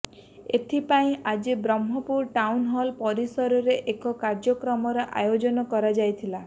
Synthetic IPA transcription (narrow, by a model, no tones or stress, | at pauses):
et̪ʰipaĩʔad͡ʒibɾɔmɦɔpuɾʈawnɦɔlpɔɾisɔɾɔɾeʔekɔkaɾd͡ʒɔkɾɔmɔɾɔʔa̰jod͡ʒɔnɔkɔɾad͡ʒajt̪ʰila